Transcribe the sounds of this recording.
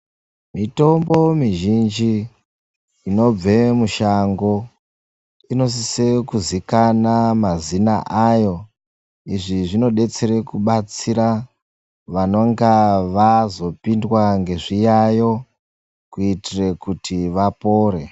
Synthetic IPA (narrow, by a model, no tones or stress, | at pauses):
mito̞mbo̞miʒind͡ʒi | ino̞b͡ve̞muʃaŋɡo̞ | ino̞s̬isekuzikanamazina̰ʔajo̞ | iʐiʐino̞ɗe̞t͡se̞ɾe̞kuɓat͡siɾa | ʋano̞ŋɡaʋazo̞pindwaŋɡe̞ʐijajo̞ | kuitire̞kutʰiʋapo̞ːɾe̞